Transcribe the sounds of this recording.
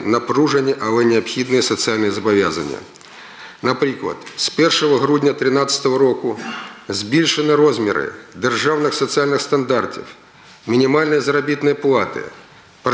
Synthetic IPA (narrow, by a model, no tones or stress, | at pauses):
nɐpɾuʐɨnʲɪʔɐlˠɛnʲɪɐpxʲid̪nɨjəsət̪sɨalʲnɨjəzɐbɐvʲa̰znʲɪ̰jə̰ | nɐpɾʲiklˠɐ̰t̪spʲɛrʂəvəɣɾudʲnʲɐt̪ɾʲɪnat̪sə̥t̪əʋəɾokʊzʲbʲilʲʂɨnɨɾozmʲɪɾɨ̰d̪ɨrʐavnɨxsət̪sɨalʲnɨxst̪ɐnd̪art̪ʲɪ̰f | mʲɪnʲɪmalʲnəjzɐɾɐbʲit̪nɨjəplˠat̪ɨ̰ | p